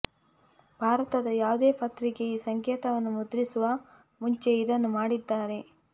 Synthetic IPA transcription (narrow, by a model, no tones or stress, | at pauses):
bʱaːɾɐt̪ɐd̪ɐjaːʋud̪e̞ːpɐt̪ɾikeiːsɐŋkjɛːt̪ɐʋɐnːumud̪ɾisuʋɐ | muɲt͡ʃe̞id̪ɐnːumaːɽid̪ːaːɾe̞